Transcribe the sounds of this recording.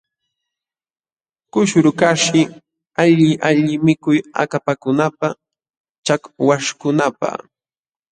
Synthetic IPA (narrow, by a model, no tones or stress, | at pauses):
kʊʃɾʊkaʃɪ | aʎɪʔaʎɪmɪkʊja̰kapakʊnapa | t͡ʃakwaʃkʊnapa̰